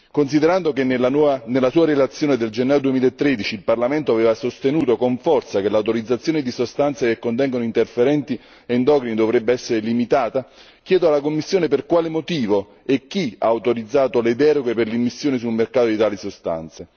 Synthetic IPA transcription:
kons̬id̪eɾand̪okennelːasuːaɾelat̪sːjoːned̪eld͡ʒenːajod̪uemiːlaet̪ːɾed̪it͡ʃiːlparlament̪oavɛːvasost̪enuːt̪okoɱfɔrt̪sakelːawt̪oɾid̪zːat̪sːjoːned̪isost̪ant̪sekekːont̪ɛŋɡonoint̪erfeɾɛnt̪i | eind̪ɔːkɾinid̪ovɾɛbːeɛsːeɾelimit̪aːt̪a | kjɛːd̪oalːakomːisːjoːneperkwaːlemot̪iːvo | ek̟ːia̰ːwt̪oɾid̪zːaːt̪oled̪ɛːɾoɡeperleimisːjoːnis̬ulmerkaːt̪od̪it̪aːlisost̪a̰nt̪se

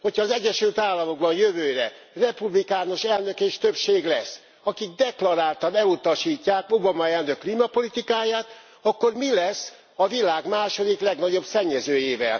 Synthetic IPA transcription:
ho̞cʰhɒːzɛɟːɛʃylt̪aːlːɒmo̞ɡ̚bɒnjøvøːɾɛ | rɛpublikaːno̞ʃɛlnøkeːʃt̪øpʃeːɡlɛsː | ɒkiɡ̚d̪ɛklɒɾaːlt̪ɒnɛlut̪ɒʃiːcːaːkobɒmɒɛlnøkːliːmɒpo̞lit̪ikaːjaːt̪ | ɒkːo̞rmilɛsː | ɒvilaːɡmaːʃo̞d̪iklɛɡnɒɟo̞bsɛɲːɛzøːjeːvɛ̰l

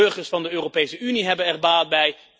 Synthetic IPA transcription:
ɵɹχəɹsfɑndəøːropejsəyniɦɛbənɛrbaːt̚bɛj

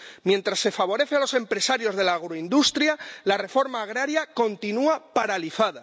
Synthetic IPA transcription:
mjẽ̞nt̪ɾasːe̞faβ̞o̞ɾe̞θealo̞se̞mpɾe̞saɾjo̞zðe̞laːɣɾoind̪ust̪ɾjalare̞fo̞ɾmaːɣ̞ɾaɾjako̞nt̪inuapaɾaliθaða

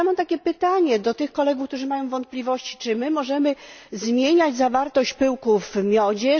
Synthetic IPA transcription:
amɔt̪akʲɛpɘt̪aɲɛd̪ɔt̪ɘxkɔlɛɡufk̚t̪uʐɘmajɔ̃w̃vɔnt̪̚plʲivɔɕt͡ɕi̥t͡ʂɘmɘmɔʐɛmɘzmʲjeɲad͡ʑzavaɾt̪ɔɕt͡ɕpɘwkuvmʲjɔd͡ʑɛ

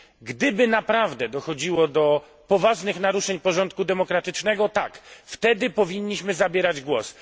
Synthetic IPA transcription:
ɡd̪ɘbɘnapɾavd̪ɛd̪ɔxɔd͡ʑiwɔd̪ɔ | pɔvaʐnɘxnaɾuʂɛɲpɔʐɔnt̪̚kud̪ɛmɔkɾat̪ɘt͡ʂnɛɡɔt̪akft̪ɛd̪ɘpɔvʲiɲːiɕmɘzabʲjɛɾad͡ʑɡwɔs

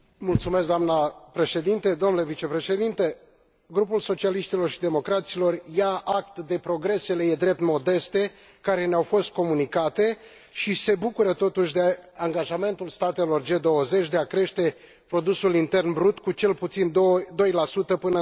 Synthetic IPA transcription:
mult̪sumeskd̪oamnapɾe̞ʃe̞d̪int̪e̞d̪omnule̞vit͡ʃe̞pɾe̞ʃe̞d̪int̪e̞ | ɡɾupulso̞t͡ʃialiʃt̪ilo̞rʃid̪e̞mo̞kɾat̪silo̞rjaʔakt̪d̪e̞pɾo̞ɡɾe̞se̞le̞jed̪ɾe̞p̚t̪mo̞d̪e̞st̪e̞ | kaɾe̞neawfo̞st̪̚ko̞munikat̪e̞ | ʃise̞bukuɾət̪o̞t̪uʃ̬ʲd̪e̞aŋɡaʒame̞nt̪ulst̪at̪e̞lo̞rd͡ʒe̞d̪o̞wəze̞t͡ʃʲd̪e̞akɾe̞ʃt̪e̞ | pɾo̞d̪usulint̪e̞rnbɾut̪kut͡ʃe̞lput̪sind̪d̪o̞jlasut̪əpɨnə

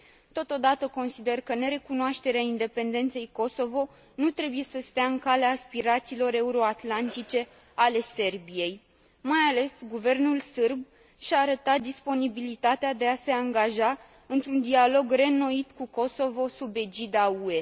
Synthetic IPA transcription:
t̪o̞t̪o̞d̪at̪əko̞nsid̪e̞rkəne̞ɾe̞kunoaʃt̪e̞ɾeaind̪e̞pe̞nd̪e̞nt̪se̞jko̞so̞vo̞ | nut̪ɾe̞buje̞səst̪eaɨŋkaleaːspiɾat̪siːlo̞ɾe̞uɾo̞at̪lant̪it͡ʃe̞ | ale̞se̞rbije̞j | majale̞sɡuve̞rnulsɨrb̚ | ʃaːɾət̪at̪̚d̪ispo̞nibilit̪at̪ead̪e̞ase̞aŋɡaʒa | ɨnt̪ɾund̪ialo̞ɡre̞no̞it̪kuko̞so̞vo̞sube̞d͡ʒid̪aue̞

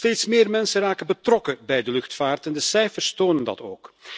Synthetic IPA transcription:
teːtsmɪːrmɛnsəraːkənbətrɔkəbɛjdəlɵxtfaːrtɛndəsɛjfərstoːnəndɑ̰to̰ːk

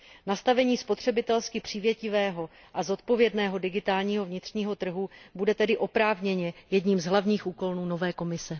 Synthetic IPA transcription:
nast̪avɛɲiːspo̞t̪r̝̥ɛbɪt̪ɛlskɪpr̝̥iːvjɛcɪvɛːɦo̞ | ʔazo̞t̪po̞vjɛdnɛːɦo̞dɪɡɪt̪aːlɲiːɦo̞vɲɪt̪r̝̥ɲiːɦo̞t̪r̩ɦubudɛt̪ɛdɪʔo̞pɾaːvɲɛɲɛjɛdɲiːmzɦlavɲiːxʔuːko̞lnuːno̞vɛːko̞mɪsɛ

